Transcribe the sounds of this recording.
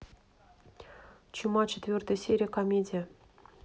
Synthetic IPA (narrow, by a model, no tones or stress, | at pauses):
t͡ɕumɑt͡ɕet̪ʲvʲørt̪əsʲeɾʲikɑmʲedʲə